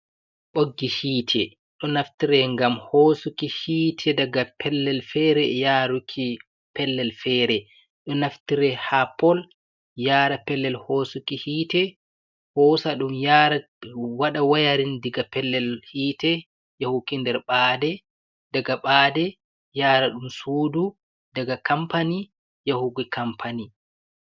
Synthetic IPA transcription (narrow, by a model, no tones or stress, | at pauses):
ɓoɡːihiːtʰɛ | ɗɔnaftiɾɛŋɡamhoːsukihiːtʰɛdaɡapʰɛlːɛlfɛɾɛjaːɾukʰi | pɛlːɛlfɛɾɛ | ɗɔnaftiɾɛhapːɔl | jaːɾapɛlːɛlhoːsukihiːtɛ | hɔːsaɗumjaɾa | waɗawajaɾindiɡapɛlːɛlhiːtɛ | jahukindɛɾɓaːdɛ | daɡaɓaːdɛ | jaːɾaɗumsuːdu | daɡakampani | jahuɡikampʰani